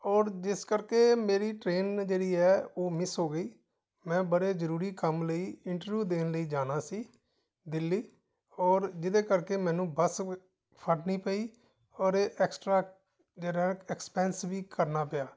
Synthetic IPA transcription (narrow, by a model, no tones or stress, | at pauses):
ɔːɾd͡ʒɪskəɾkeːmeːɾiːʈɾeːnd͡ʒeːɽiːɛːoːmɪsɦoːɡəiː | mɛ̃ːbəɽeːzəɾuːɾiːkəmləiːɪɳʈəɾʋjuːd̪eːnləiːd͡ʒaːnaːsiː | d̪ɪlːiː | ɔːɾd͡ʒɪd̪eːkəɾkeːmɛ̃ːnũːbəs | pʰəʈnĩːpəiː | ɔːɾeːʔɛksʈɾaː | d͡ʒeːɾaɦɛːɛkspɛ̃ːnsbiːkəɾnaːpɪjaː